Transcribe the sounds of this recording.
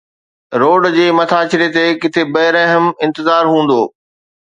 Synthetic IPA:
ɾoːɖd͡ʑeːmɐt̪ʰaːt͡ɕɪɾet̪ekɪt̪ʰebɐɪɾɐɦəmɪ̃nt̪ɪzaːɾɦũːn̆d̪oː

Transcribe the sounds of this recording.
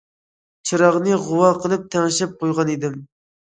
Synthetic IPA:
t͡ʃʰiɾɑʁnɨʁʊwɑqʰəlˠɨp̚t̪ʰɛŋʃɛp̚qʰojʁɑnid̪ɪm

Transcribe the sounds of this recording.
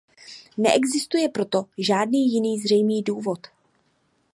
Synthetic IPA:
nɛʔɛɡzɪst̪ujɛpɾo̞t̪o̞ʒaːdniːjɪniːzr̝ɛjmiːduːvo̞t̪

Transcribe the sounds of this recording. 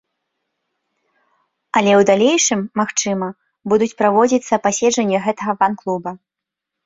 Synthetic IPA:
ɐlʲɛwd̪alʲejʂɨmːaxt͡ʂɨmɐ | bud̪ut͡sʲpɾavɔd͡zʲit̪sːɐpasʲɛd͡ʐɐnʲːɛɣɛt̪ɐɣɐvanklˠubɐ

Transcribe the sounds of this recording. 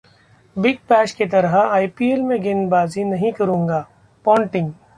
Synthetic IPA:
bɪɡ̚pɛːʃket̪̬ɐɾɦaaːipiːelmẽɡeːnbaːzinɐɦĩkɐɾũːŋɡaː | pɔ̃ːɳʈɪ̃ŋɡ

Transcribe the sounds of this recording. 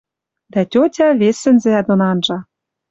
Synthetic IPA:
d̪ætʲotʲɑβesɘ̆nzɘ̆æd̪onɑnʒɑ

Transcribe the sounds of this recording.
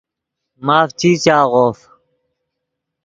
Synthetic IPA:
maːft͡ɕʰiːt͡ɕaːʁoːf

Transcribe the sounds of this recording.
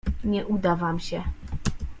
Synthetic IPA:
ɲɛʔud̪avamɕɛ

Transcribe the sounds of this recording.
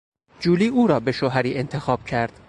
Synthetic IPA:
d͡ʒuːliːʔuːɾɒːbe̞ʃoːɦæɾiːe̞nt̪ʰe̞xɒːb̥cʰæɾd̪̥

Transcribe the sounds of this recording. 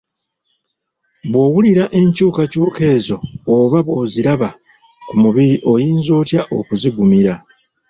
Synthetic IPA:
βwo̞ːɣuliɾaʔe̞ɲcuːkacuːke̞ːzo̞ːβaβo̞ːziɾaβa | kumuβiɾiʔo̞jiːnzoːtjaʔo̞̰kuziɡumiɾa

